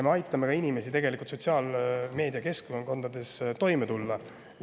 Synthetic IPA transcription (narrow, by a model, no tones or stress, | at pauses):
meɑjt̪ːˑɑme̞kɑinime̞sit̪e̞ɡe̞likˑult̪sot̪ʲsiɑːlme̞ːd̪iɑke̞skonoŋko̞nd̪̥ɑd̪̥e̞st̪o̞jmet̪ulːɑ